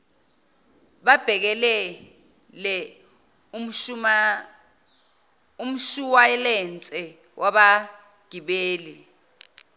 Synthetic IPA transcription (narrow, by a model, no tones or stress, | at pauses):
ɓab̥ʱɛk̬ɛlɛ | lɛ | um̩ʃuwaɛlɛnt͡sʼɛ | wʔaɓa | ɡ̥ʱiɓeːli